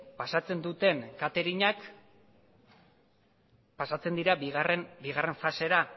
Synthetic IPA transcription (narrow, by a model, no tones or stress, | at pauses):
pasat͡se̞nd̪ut̪e̞ŋkat̪e̞ɾiɲak | pasat͡se̞nd̪iɾaiɣarenbiɣare̞ɱfase̞ɾa